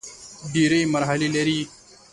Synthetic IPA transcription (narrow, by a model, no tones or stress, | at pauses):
ɖiːɾɐmɐɾɦɐlilɐɾiː